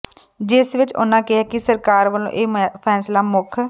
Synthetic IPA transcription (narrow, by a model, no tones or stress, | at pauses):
d͡ʒɪsʋɪt͡ʃʊ̰nãːkɪɦaːkɪsəɾkaːɾʋəlõ̰ʔeːpʰɛːslaːmʊkʰ